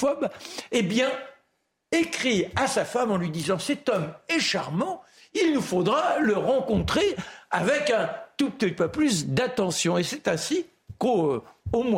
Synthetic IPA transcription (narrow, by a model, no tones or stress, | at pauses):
fɔbebjɛ̃ | ekχiasafamɑ̃lɥid̪izɑ̃sɛt̪ɔmɛʃaʁmɑ̃ | ilnufod̪ʁaləʁɑ̃kɔ̃t̪χeavɛkɛ̃t̪up̚t̪ɛt̪̚paplysd̪at̪ɑ̃sjɔ̃esɛt̪ɛ̃si | koomw